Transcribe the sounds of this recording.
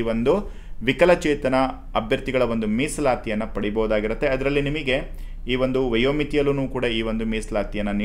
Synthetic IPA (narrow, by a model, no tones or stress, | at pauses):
ʋo̞nd̪u | ʋikɐlɐt͡ʃeːt̪ɐnɐ | ɐbʱjɐɾt̪iɡɐɭɐʋo̞nd̪umiːslaːt̪ijɐnːɐpɐɽibɐɦud̪aːɡiɾut̪ːe̞ɐd̪ɐɾɐlːinimiɡe̞ | iːʋo̞nd̪uʋɐjoːmit̪ijɐlunuːkuːɽɐiːʋond̪umiːslaːt̪ijɐnːɐni